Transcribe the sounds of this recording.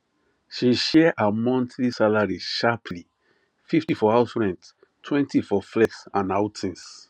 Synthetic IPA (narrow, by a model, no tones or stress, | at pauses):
ʃiʃɛʔamɔ̃ntlisalaɹiʃapʰli | fiftifɔaʊsɹɛ̃nd | tʰwɛ̃ntifɔflɛksãnaʊtʰĩns